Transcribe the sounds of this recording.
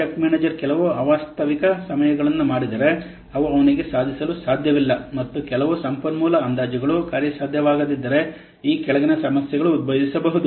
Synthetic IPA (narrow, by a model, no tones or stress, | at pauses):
t͡ʃɐkmeːneːd͡ʒɐɾkɛlɐʋuɐʋaːst̪ʰɐʋikɐsɐmɐjɐɡɐɭɐnːumaːɽid̪ɐɾe̞ | ɐʋuɐʋɐniɡe̞saːd̪ʱisɐlusaːd̪ʱjɐʋilːɐmɐt̪ːukɛlɐʋusɐmpɐnmuːlɐːnd̪aːd͡ʒɐɡɐɭukaːɾjɐsaːd̪ʱjɐʋaːɡɐd̪id̪ːɐɾe̞ | iːkɛɭɐɡɐnɐsɐmɐsjɛɡɐɭuːd̪̚bʱɐdisɐbɐɦud̪u